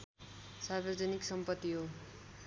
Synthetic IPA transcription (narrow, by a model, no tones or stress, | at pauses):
sarbʌrd͡zʌniksʌmpʌt̪ːiɦo